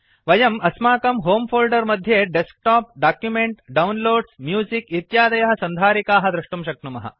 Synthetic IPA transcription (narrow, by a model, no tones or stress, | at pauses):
ʋɐjɐmɐsmaːkɐmɦoːmfʰoːlɖɐɾmɐd̪ʱjeːɖesk̚ʈaːp̚ɖaːkjumeɳʈɖaɐunloːɖsmjuːzikit̪jaːd̪ɐjɐɦɐ̆sɐnd̪ʱaːɾikaːɦɐd̪ɾɐʂʈumʃɐk̚numɐɦɐ̰